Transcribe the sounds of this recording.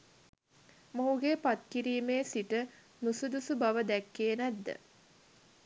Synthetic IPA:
moɦuɡepat̪̚kiɾiːmeːsiʈə | nusud̪usubaʋəd̪ækːeːnæd̪ːə̰

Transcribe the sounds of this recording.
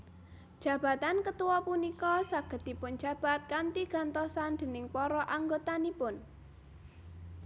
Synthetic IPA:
d̥ʒ̥ä̤b̥a̤t̪ankət̪uwɔpunikɔsaɡ̥ə̤t̪ipʊnd͡ʒ̥a̤b̥a̤t̪̚kant̪iɡ̥a̤nt̪ɔsand̪̥e̤nɪŋpɔɾɔʔaŋɡot̪anipʊn

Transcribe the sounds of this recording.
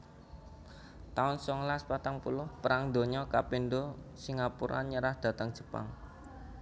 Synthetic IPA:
t̪aʊnsɔŋlaspat̪aŋpulʊhpəɾaŋd̪o̤ɲɔkapendosiŋapuɾʔa̰nɲəɾahd̪̥ä̤t̪əŋ̥ʒ̥ə̤̥pa̰ŋ

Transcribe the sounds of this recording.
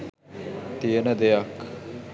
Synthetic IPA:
t̪ijənəd̪ejak

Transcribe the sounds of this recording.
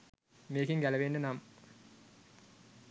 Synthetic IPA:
meːkiŋɡælɐʋeːɳɖənam

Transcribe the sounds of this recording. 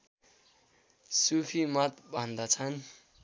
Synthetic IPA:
supʰimʌt̪bʱʌnd̪ʌt͡sʰʌn

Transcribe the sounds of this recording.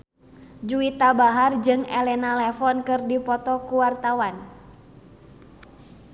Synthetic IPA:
d͡ʒuit̪abaɦard͡ʒɨŋɛlɛnalɛfɔnkɨrdipɔt̪ɔkuwart̪awan

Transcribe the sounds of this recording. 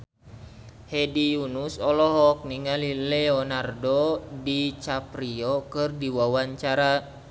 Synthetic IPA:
hɛdijunusɔlɔɦɔk̚niŋalilɛɔnardɔdit͡ʃapɾiɔkɨrdiwawaɲt͡ʃaɾa

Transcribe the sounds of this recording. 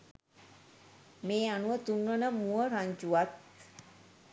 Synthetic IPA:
meːanuʋət̪unːʋənəmuəɾaɲd͡ʒuʋat̪̚

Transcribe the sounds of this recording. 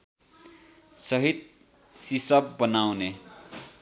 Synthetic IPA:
sʌɦit̪̚ | sisʌb̚bʌnawne

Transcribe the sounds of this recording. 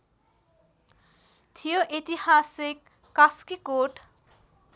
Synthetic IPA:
t̪ʰijoʔit̪ihasikː | askikoʈ

